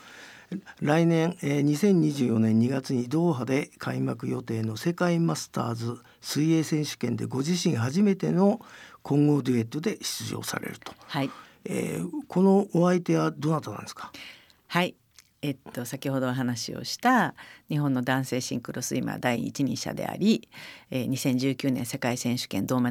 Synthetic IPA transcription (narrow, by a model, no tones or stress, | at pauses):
ɾainẽ̞ŋeːɲ̟isẽ̞ɲ̟ːiʑɨːjo̞nẽ̞ɲ̟ːiɡat͡sɨɲ̟id̪o̞ːɦad̪e̞kʰaimakɯ̟jo̞t̪e̞ːno̞se̞kaimasɨ̥t̪a̰ːzɨ | sɨie̞ːsẽ̞ɰ̃ɕɨ̥kẽ̞nd̪e̞ɡo̞ʑiɕĩɰ̃ɦaʑime̞t̪e̞no̞kʰõ̞ŋɡo̞d̪ʲie̞t̪ːod̪e̞ɕi̥t͡sɨʑo̞̰ːsa̰ɾe̞̰ɾɯ̟̥t̪o̥hai | ḛːkʰo̞no̞ʔoait̪e̞βad̪o̞nat̪onã̰nd̪eskḁ | hai | e̞t̪ːo̞sakʲiɦo̞d̪o̞ːɦanaɕḭo̞̰ɕi̥t̪aɲiɦõ̞nːo̞d̪ãɰ̃se̞ːɕĩŋkɯ̟ɾo̞sɨima̰d̪aiḭt͡ɕiɲ̟ḭ̃ɕa̰d̪e̞̰a̰ɾʲieːɲ̟isẽ̞ɲ̟d͡ʑɨːkʲɨːnẽ̞ɰse̞kaisẽ̞ɰ̃ɕɨ̥kẽ̞nd̪o̞ːma